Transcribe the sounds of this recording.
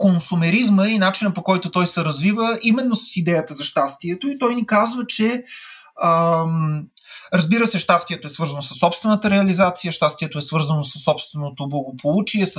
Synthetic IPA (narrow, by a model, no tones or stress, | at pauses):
konsumɛɾizməinat͡ʃinəpokɔjt̪ʊt̪ɔjsɛɾɐzvivəʔimɛnːosə̥sid̪ɛjət̪əzɐʃt̪ast̪iɛt̪oit̪ɔjnikazvət͡ʃɛ | ə | ɾɐzbiɾəsɛʃt̪ast̪iɛt̪oɛsvɤɾzənosɐ̥sːɔpst̪vɛnət̪əɾɛɐlizat̪sijəʃt̪ast̪iɛt̪oɛsvɤɾzənosə̥sːɔpst̪vɛnot̪oblˠɐɡopʰolˠut͡ʃiɛs